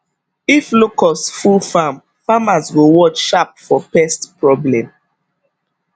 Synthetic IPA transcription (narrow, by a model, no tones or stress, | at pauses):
iflokɔstfulfam | famazwiwɔt͡ʃʃap̚fɔpɛstpɹɔblɛ̃m